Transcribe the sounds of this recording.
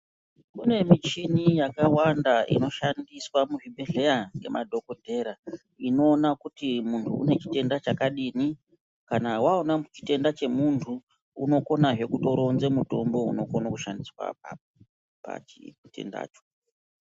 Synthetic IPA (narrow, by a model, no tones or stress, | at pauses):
kune̞mit͡ʃinijakawandaḭno̞ʃandiswamuʐibʱe̞ɮe̞jaŋɡe̞̰mʔa̰dʱo̞ko̞dʱe̞ɾa | ino̞ːnakutimuntʰṵːne̞t͡ʃi̥te̞ndat͡ʃakaɗini | kanawaonamut͡ʃi̥te̞ndat͡ʃe̞muntʰu | ṵno̞ko̞naʐe̞kuto̞ɾo̞nze̞muto̞mbo̞ṵno̞ko̞nakuʃandiswa̰pa̰ | pa̰t͡ʃiute̞̰nda̰ːt͡ʃo̥